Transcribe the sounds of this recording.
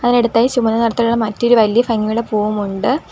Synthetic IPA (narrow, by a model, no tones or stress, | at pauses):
ɐðineɽut̪ːaːjit͡ɕumɐnːɐnɐɽɐt̪ːɐluɭːɐmɐtːo̞ɾuʋɐlijɐfɐŋːijuɽe̞poːʋumuɳɖɨ